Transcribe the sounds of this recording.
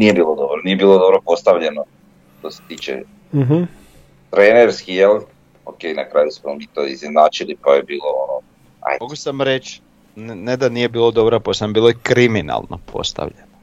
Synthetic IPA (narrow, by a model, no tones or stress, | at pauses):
nijebiːlˠod̪obolniːebiːlˠod̪obɾopo̞st̪aʋʎeno | ʃt̪ose̥t̪iːt͡ʃḛ | ɦ̩ | t̪ɾeːneɾskijel | okenakɾaːjusmomit̪oiznenaːt͡ʃilipajebiːlˠoono | a̰jmoɡusamɾet͡ʃ | nned̪anije̞biːlˠod̪obɾaposambiːlˠoikɾimina̰lˠnʔo̰pʰo̰st̪a̰ʋʎeno